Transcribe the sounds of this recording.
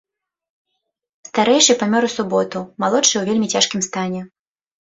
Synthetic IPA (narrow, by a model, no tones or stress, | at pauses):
st̪aɾɛjʂɨjpamʲɔɾusubɔt̪umalˠɔt͡ʂɨjɛwvʲelʲmʲit͡sʲaʂkʲimst̪anʲɛ